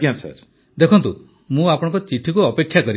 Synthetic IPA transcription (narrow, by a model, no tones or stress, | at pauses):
ãsa̰ɾ | d̪ekʰɔnt̪u | mũapɔɽ̃ɔŋkɔt͡ʃiʈʰikuɔpekʰːjakɔɾi